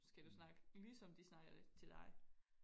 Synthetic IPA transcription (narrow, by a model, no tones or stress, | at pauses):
sɡ̥æd̥usnɑ̈ɡ̥əlisɒ̽md̥isnɑ̈ɡ̥ɐdet͡sʰe̝ld̥ɑ̈ɪ